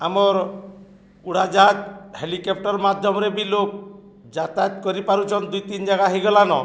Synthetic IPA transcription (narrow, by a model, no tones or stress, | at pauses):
amɔɾ | uɽ̤ad͡ʒat̪helikɔp̚ʈɔɾmad̪ʱjɔmɾebilok̚ | d͡ʒat̪at̪kɔɾipaɾut͡ʃʰɔnd̪ujt̪ind͡ʒaɡaɦeɡɔlanɔ̰